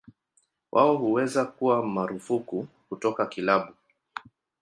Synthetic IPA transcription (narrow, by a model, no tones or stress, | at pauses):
wʔaɔhuwɛzakuwamaɾufuku | kutɔkakilaɓu